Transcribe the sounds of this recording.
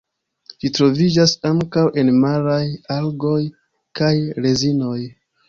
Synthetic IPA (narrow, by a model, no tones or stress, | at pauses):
d͡ʒitɾo̞vid͡ʒasaŋkawʔe̞nmaɾajalɡo̞j | kajɾe̞zino̞j